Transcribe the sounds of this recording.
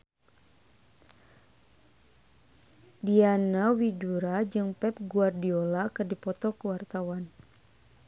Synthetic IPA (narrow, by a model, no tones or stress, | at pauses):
dianawiduɾad͡ʒɨŋpɛp̚ɡuardiolakɨrdipɔt̪ɔkəwart̪awan